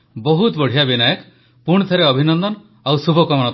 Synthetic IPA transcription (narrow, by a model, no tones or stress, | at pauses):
bɔɦut̪bɔɽ̤ijabinajɔk | puɽ̃t̪ʰeɾeɔbʱinɔnd̪ɔn | awsubʱɔkɔmɔnɔt̪